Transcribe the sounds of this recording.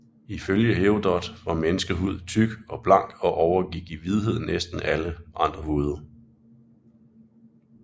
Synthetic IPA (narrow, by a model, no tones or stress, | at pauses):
iføljəɦeʊd̥ɒd̥ʋɑ̈menəsɡ̥əɦuð̞̰ˠt͡sʰyɡ̥ɒ̽b̥lɑ̈ŋ̰ɡ̥ɒ̽ʔɒʊɐɡ̥iɡ̥iʋið̞ˠɦe̝ð̞̰ˠn̩esd̥n̩æləʔɑ̈nd̥ʁɐɦuːð̞ˠɐ